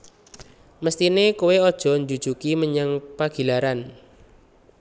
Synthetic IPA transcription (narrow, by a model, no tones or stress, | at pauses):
məst̪inekuweɔd̥ʒ̥ɔ̤ɲd͡ʒud̥ʒ̥ukiməɲaŋpaɡ̥i̤laɾan